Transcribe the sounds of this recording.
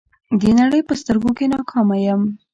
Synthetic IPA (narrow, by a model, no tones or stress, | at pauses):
d̪ənaɽəjpəst̪əɾɡokenɑkʰɑmajəm